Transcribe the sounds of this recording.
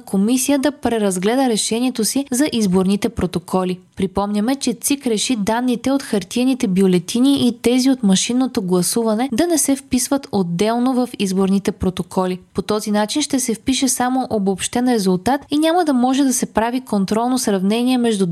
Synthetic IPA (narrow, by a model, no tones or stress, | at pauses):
kʰomisijəd̪ɐpɾɛɾɐzɡlɛd̪əɾɛʃɛniɛt̪osizɐʔizboɾnit̪ɛpɾot̪okʰɔlipɾipɔmnʲɐmɛt͡ʃɛt̪sikɾɛʃid̪anːit̪ɛot̪xɐɾt̪iɛnit̪ɛbjolɛt̪iniʔit̪ɛziot̪mɐʃinːot̪oɡlˠɐsuvɐnɛd̪ɐnɛsɛfpisvət̪od̪ːɛlˠnovɐfizboɾnit̪ɛpɾot̪okʰɔlʲipot̪ɔzinat͡ʃinʃt̪ɛsɛfpiʃɛsamoʔobopʃt̪ɛnɾɛzulˠt̪at̪inʲaməd̪ɐmɔʒɛd̪ɐsɛpɾavikont̪ɾɔlˠnosɾɐvnɛniɛmɛʒd̪u